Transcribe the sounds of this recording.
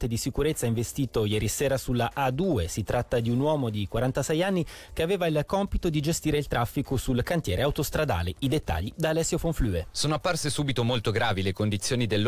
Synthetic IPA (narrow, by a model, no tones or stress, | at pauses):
t̪ed̪isikuɾet̪sːaiɱvest̪iːt̪ojɛːɾisɛːɾasulːaʔad̪uːesit̪ɾat̪ːad̪iunwɔːmod̪ikwaɾant̪asɛjanːi | k̟eaveːvailkɔmpit̪od̪id͡ʒest̪iːɾeilt̪ɾʔafːikosulkant̪jɛːɾʔeawt̪ost̪ɾad̪a̰ːleid̪et̪ːa̰ʎːid̪aːlɛsːjofoɱflyːesoːnoapːarsesuːbit̪omolt̪oɡɾaːvilekond̪it̪sːjoːnid̪elː